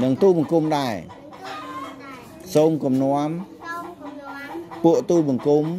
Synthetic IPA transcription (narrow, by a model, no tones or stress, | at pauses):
nɨŋt̪uːlɓɑŋkumɗaɛ | soːmkumnŏəm | puəʔt̪uːlɓɑŋkum